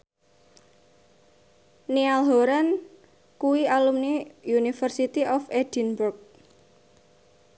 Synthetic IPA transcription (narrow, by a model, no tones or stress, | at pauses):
nialɦoɾan | kuwialumnijunifərsit̪iʔɔfed̥inburk̚